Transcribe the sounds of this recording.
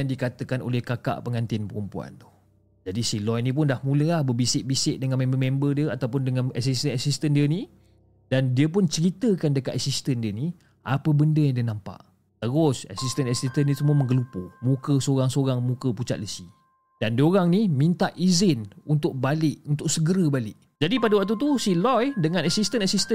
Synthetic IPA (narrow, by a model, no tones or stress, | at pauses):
jaŋdikat̪əkano̰lɛhkaka̰ʔpəŋant̪ɪnpəɾumpua̰nt̪ʊ̥h | d͡ʒadisilɔjnĩp̬ʊndahmũləlahbəbisɪʔbisɪʔ̚dəŋanmẽmbəmɛ̃mbədiəat̪awpʊndəŋanasist̪ənasist̪əndiəni | dandiəp̬ʊnt͡ʃəɾit̪əkandəkat̪asist̪əndiəni | ʔapəbəndəjaŋdiənampa̰ʔ | t̪əɣʊsa̰sist̪ənɛsist̪ənisəmuəmə̃ŋɡəlupomũkəsoɾaŋsoɾaŋmũkəput͡ʃa̰ʔ̪ləsi | d̥andəoɾaŋnimint̪aʔʔizɪnunt̪ʊʔ̚balɪʔunt̪ʊʔ̚səɡəɾəbalɪʔ | d͡ʒadipadawak̚t̪̬ut̪̬usilɔjdəŋãnasist̪ənasist̪ən